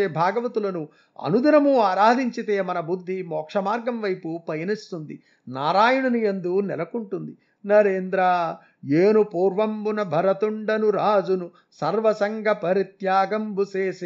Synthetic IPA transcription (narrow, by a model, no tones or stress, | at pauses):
eːbʱaːɡɐʋɐt̪ulɐnu | ɐ̰nud̪inɐmuaːɾaːd̪ʱiɲt͡ʃit̪eːmɐnɐbud̪ʱːimɔːkʂɐmaːɾɡɐmʋɐjpupɐjɐnist̪und̪ḭ | naːɾaːjuɳɐniend̪unɛlɐkuɳʈund̪i | nɐɾeːnd̪ɾaː | eːnupuːɾʋɐmbunɐbʱɐɾɐt̪uɳɖɐnuɾaːd͡ʒunu | sɐɾʋɐsɐŋɡʱɐpɐɾit̪jaːɡɐmbuseːsi